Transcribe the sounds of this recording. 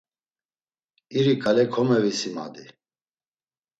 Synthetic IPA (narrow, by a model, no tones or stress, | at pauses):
iɾikʼalɛkʰɔmɛvisima̰d̪i